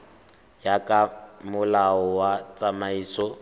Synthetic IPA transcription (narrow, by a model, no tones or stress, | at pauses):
jakʼamʊlaɔwat͡sʼamaiːsɔ